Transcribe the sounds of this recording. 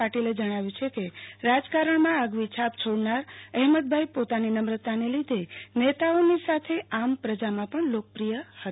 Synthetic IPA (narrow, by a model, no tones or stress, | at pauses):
aʈiled͡ʒəɽ̃aʋjũt͡ʃʰekeɾad͡ʒkaɾəɳmãaɡʋit͡ʃʰap̚t͡ʃʰoɽnaɾəɦmət̪̚bʱajpot̪aninəmɾət̪ːanelid̪ʱenet̪aonisat̪ʰeampɾəd͡ʒamãpəɳlokəpɾijəhət̪